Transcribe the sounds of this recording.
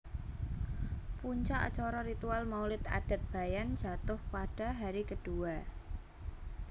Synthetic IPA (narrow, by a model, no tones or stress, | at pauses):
puɲt͡ʃaʔt͡ʃɔɾɔɾit̪ualmaulɪt̪a̰ɖ̥a̤t̪̚b̥a̤jand̥ʒ̥a̤t̪ʊhpaɖ̥a̤ɦaɾikəɖ̥ua